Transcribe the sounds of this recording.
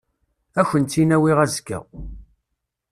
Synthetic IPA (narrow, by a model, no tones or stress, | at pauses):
æçənt͡s̪ːinæwiʁæzkːæ̰